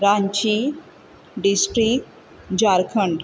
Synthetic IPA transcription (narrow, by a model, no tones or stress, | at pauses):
ɾaɲt͡ʃi | ɖisʈɾik̚ʈ | d͡ʑaɾkʰəɳɖ